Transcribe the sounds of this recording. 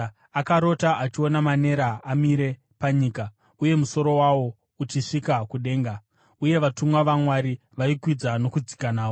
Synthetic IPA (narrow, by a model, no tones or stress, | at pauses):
akaɾo̞taʔat͡ʃio̞namane̞ɾaːmiɾe̞ | paɲiːka | uje̞muso̞ɾo̞wawo̞ | ut͡ʃiʂikakuɗe̞ːŋɡa | uje̞ʋatumwaʋamwaɾi | ʋaikwid͡zano̞kud͡zikanaːo